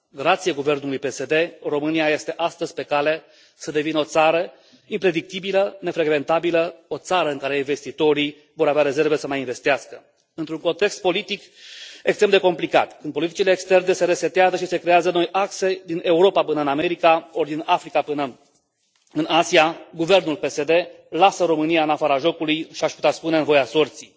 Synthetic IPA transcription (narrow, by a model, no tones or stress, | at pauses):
ɡɾat̪sieɡuve̞rnulujpe̞se̞d̪e̞ro̞mɨniaje̞st̪e̞ʔast̪əzʲpe̞kale̞ | səd̪e̞vinəo̞t̪saɾə | impɾe̞d̪ik̚t̪ibiləne̞fɾe̞ɡve̞nt̪abiləo̞t̪saɾəɨŋkaɾe̞iɱve̞st̪it̪o̞ɾi | vo̞ɾaveaɾe̞ze̞rve̞səmajinve̞st̪iaskə | ɨnt̪ɾuŋko̞nt̪e̞kst̪̚po̞lit̪ik | ekst̪ɾemd̪e̞ko̞mplika̰t̪kɨn̚po̞lit̪i̥t͡ʃile̞ːkst̪e̞rne̞se̞ɾe̞set̪eazəʃise̞kɾe̞azəno̞jʔakse̞d̪inʔe̞uɾo̞papɨnəɨname̞ɾikao̞rd̪inafɾikapɨnə | ɨnasiaɡuve̞rnulpe̞se̞d̪e̞ | lasəɾo̞mɨnijaɨnafaɾaʒo̞kulujʃiaʃpu̥t̪easpune̞ɨnvo̞jaso̞rt̪si